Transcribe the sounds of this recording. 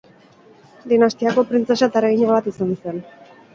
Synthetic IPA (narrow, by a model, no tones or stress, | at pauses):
d̪inast̪iako̞pɾint͡se̞sat̪aɾeɣiɲaβat̪isanse̞n